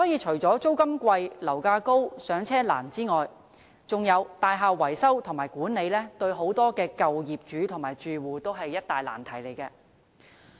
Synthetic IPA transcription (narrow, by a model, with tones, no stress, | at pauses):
sɔː˨˥jiː˨˧t͡ʃʰɵ˨˩ɥt͡sɔː˨˥t͡so˥wkɐ˥mkʷɐ˧jlɐ˨˩wkaː˧ko˥wsœː˨˧ŋt͡sʰɛː˥la̰ː˨˩nt͡siː˥ŋɔː˨j | t͡sʊ˨ŋjɐ˨˧wt̪aː˨jɦaː˨˧wːɐ˨˩jsɐ˥wt̪ʰŋmaː˨˩jkuː˨˥nne˨˧jlɛː˥t̪ɵ˧ɥɦo˨˥wt̪ɔː˥kɛː˧kɐ˨wjiː˨p̚t͡ʃyː˨˥t̪ʰʊ˨˩ŋmaː˨˩jt͡ʃyː˨wuː˨˩t̪o˥wɦɐ˨jːɐ˥t̚t̪aː˨jla̰ː˨˩nt̪ʰɐ˨˩jle˨˩jkɛː˧